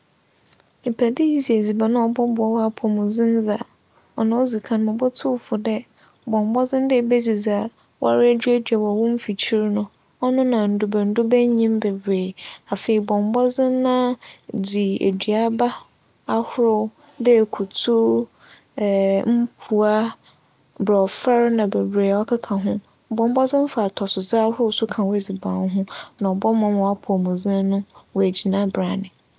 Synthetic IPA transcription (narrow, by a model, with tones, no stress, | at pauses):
e˨pʰæ˨dɪ˦ji˦zi˨e˨zi˨ba˨nã˦ɔ˨bɔ˦bʊ˨ɔ˨wa˦pʰɔ˨mʊ̃˨zɪ̃˦n̩˦d͡za˨ | ɔ˨nã˨˦ɔ˦zi˨kʰã˨n˨mʊ̃˨bɔ˦tʰʊ˦fʊ˨dɛ˦ | bɔ̃˨m˨bɔ˦d͡zɪ̃˦n˦dɪ˦˨be˦d͡zi˨d͡za˨ | wʔa̰˦ɾɪ˦æ˦dɥæ˦dᶣa˨wɔ˨wʊ̃˦m̩˦fi˨t͡ɕʰi˦ɾnʊ̃˨ | ɔ˦nʊ̃˦nã˨n̩˨dʊ˨bɛ˨n̩˦dʊ˦bɛ˦ɲĩ˦mbɛ˨bɾeː˨a˨fe˨i˨bɔ̃˨m˨bɔ˦d͡zɪ̃˦nːã˦d͡ʑi˨ḛ˨dɥa˦ba˦ | a˨hʊ˦ɾʊ˦ | dɛ˦˨kʰu˨tʰu˦˨ | m̩˦pʰu˨a˦ | bɾɔ˨fa˦ɾnã˨be˨bɾeː˨ɔ˦kʰa˦kʰã˨ɦʊ̃˦ | bɔ̃˨m˦bɔ˦zɪ̃˦m̩˦fa˨tʰɔ˨sʊ˨zɪ˦a˦hʊ˦ɾʊ˦sʊ˦kʰã˨wæ˨d͡zi˨bã˨n˦ɦʊ̃˦nã˨ɔ˨bɔ˦mã˨m˨ɔ˨a˦pʰʊ˨mũ˨zã˦nʊ̃˦wɔ˨æ˨d͡ʑi˨nã˦bɾa˨nɪ̃˨